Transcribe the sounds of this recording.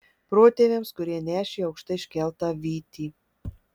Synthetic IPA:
pɾoːt̪ʲeːʋʲeːmskʊɾʲiɛnʲæːʃʲeːɐʊkʃt̪ɐɪʃʲkʲɛlʲˠt̪ɑːʋʲiːt̪ʲiː

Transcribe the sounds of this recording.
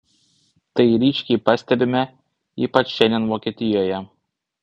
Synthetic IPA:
t̪ɐɪɾʲiːʃʲkʲɛɪpɑsʲt̪ʲɛbʲɪmʲɛ | ḭːpɐt͡ʃʃʲɛnʲnʲɛnʋoːkʲiɛt̪ʲɪjoːjɛ

